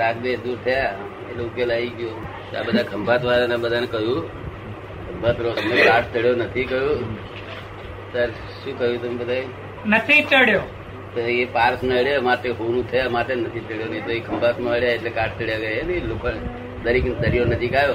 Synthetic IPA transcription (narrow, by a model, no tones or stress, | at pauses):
ɾakb̪eʃd̪uɾt̪ʰəja | elukelaiɡjo | ta̰bəd̪ʱaɡʱəmbʱat̪ʰʋalanabəd̪ʱanekəɦjũ | ɡəmbʱat̪ɾoəmekaʈʰt̪əɽjonət̪ʰikəɦjũ | səɾ | ʃũːkəɦjũt̪əmebəd̪ʱai | nət̪ʰit̪əɽjo | t̪oepaɾsmeəɽjamaʈeɦunũt̪ʰəjamaʈenət̪ʰit̪əɽjonəɦĩt̪oeɡʱəmbʱat̪mẽəɽjaeʈlekaʈ̚ʰt̪əɽjaɡəjenəlokʰone | d̪əɾiknd̪əɾijonəd͡ʒikajo